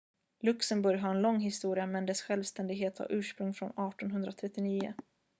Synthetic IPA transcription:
lɵksəmbɵɾjɦaɾɛnlɔŋːɦɪst̪uːɾɪamɛnd̪ɛsɧɛlvst̪ɛnd̪ɪɡɦeːt̪ha̰ɾʔʉ̟ːʂpɾɵŋːfɾɔnɑːʈɔnɦɵnd̪ɾat̪ʰɾɛt̪ːɪniːʊ̰

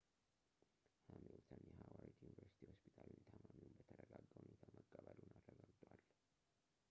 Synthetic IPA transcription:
hamelt̪ʰənjɛhawaɾit̪junivəɾsi̥t̪ʰihospʰit̪ʰalnt̪ʰəmamijunbət̪ʰəd̪əɡaɡəwunet̪ʰaməɡʼːaβalwnad̪ɾəɡaɡt̪ʼwal

